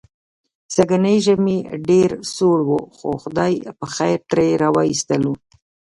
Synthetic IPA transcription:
saɡanəjʒəmeɖeɾsoɽwoxoxʊd̪ɑjpəxajɾʈɾaɾɑwɑist̪əlu

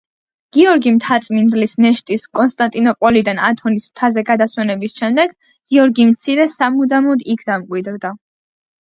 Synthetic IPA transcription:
ɡ̥iɔɾɡimt̪ʰat̪sʼmind̪lisnɛʃt̪ʼiskʼɔnst̪ʼant̪ʼinɔpʼwɛlid̪ana̰t̪ʰɔnismt̪ʰazɛɡad̪aswɛnɛbisʃɛmd̪ɛɡ | ɡ̥iɔɾɡimt̪sʰiɾɛsamud̪amɔd̪ikʰd̪amkʼwid̪ɾd̪a

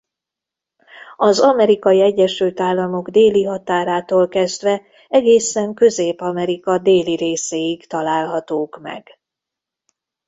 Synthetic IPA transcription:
ɒzɒmɛɾikɒjiɛɟːɛʃylt̪aːlːɒmo̞ɡd̪eːliɦɒt̪aːɾaːt̪oːlkɛzd̪vɛ | ɛɡeːsɛŋkø̞zeːpɒmɛɾikɒd̪eːliɾeːsejikt̪ɒlaːlɦɒt̪oːkmɛ̰ɡ̥

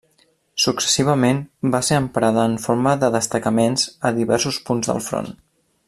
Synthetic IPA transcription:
suksə̥siβ̞əmenbaseɾəmpɾaðəːɱfoɾməðəðəst̪əkəmenzəðiβɛɾsuspunzðə̰lˠfɾo̰n

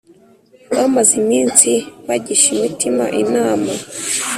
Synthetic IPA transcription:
βamazimiːnsiβaɟiʃimitima̰ʔinaːma

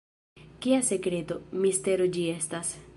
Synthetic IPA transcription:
kiasekɾet̪omist̪eɾod͡ʒiest̪as

